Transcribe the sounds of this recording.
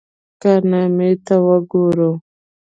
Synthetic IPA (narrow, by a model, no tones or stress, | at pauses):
kanemet̪awəɡoɾo